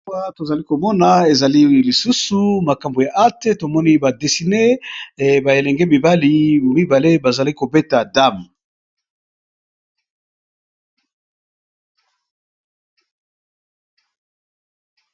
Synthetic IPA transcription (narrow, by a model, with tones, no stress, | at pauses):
a˦to˨za˨li˦ko˨mɔ˦na˨e˨za˨li˦li˨su˦su˨ma˨ka˨mbo˨ja˨ʔa˦te˦to˨mɔ˦ni˦ba˨de˨si˨ne˦˨ | ba˨e˨lɛ˨ŋɡɛ˦bi˨ba˦li˨mi˦ba˨le˦ba˨za˨li˦ko˨be˦ta˨da˦˨m˨